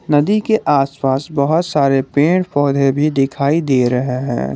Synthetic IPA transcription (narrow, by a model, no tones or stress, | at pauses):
nɐd̪ikeʔaːspaːsbɐɦʊt̪saːɾepẽːɳpɔːd̪ʱebʱid̪ɪkʰaːid̪eːɾɐɦeɦɛ̰̃ː